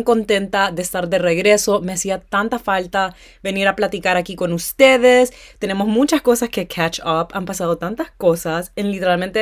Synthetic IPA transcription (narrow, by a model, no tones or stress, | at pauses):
ko̞nt̪e̞nt̪aðe̞ːst̪aɾðe̞re̞ɣɾe̞so̞me̞asiat̪ant̪afalt̪a | βe̞niɾaplat̪ikaɾakiko̞nust̪e̞ðe̞st̪e̞ne̞mo̞smut͡ʃasko̞saske̞kʰat͡ʃapampasað̞o̞t̪ant̪asko̞sasenlit̪eɾalmẽ̞nt̪e